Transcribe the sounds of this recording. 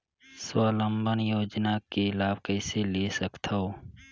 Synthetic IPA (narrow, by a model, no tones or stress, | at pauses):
swaːlə̃mbənjoːd͡ʒnakelaːbkəɪseleːsəkt̪ʰəoː